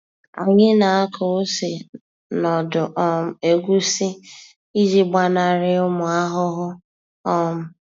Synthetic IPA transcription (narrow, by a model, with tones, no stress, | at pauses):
a̰˨ɲɪ˦na˨a˦kʰo˨o˦se˨ | nɔ˨dʊ˨ʔɔ˦m̩˨e˨ɡʷu˦si˦ | i˦d͡ʒi˦ɡ͡ba˦na˨ɾɪ˦ʊ˦mʊ˨a˦ɦʊ˦ɦʊ˦ | ɔ˦mʊ˦